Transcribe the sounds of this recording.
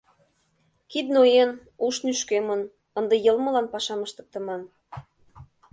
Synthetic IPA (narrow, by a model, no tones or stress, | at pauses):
kid̪nojen | uʃnyʃkemən | ənd̪ĕjɤlmɤ̆lɑnpɑʃɑməʃt̪ə̆k̚t̪ə̆mɑn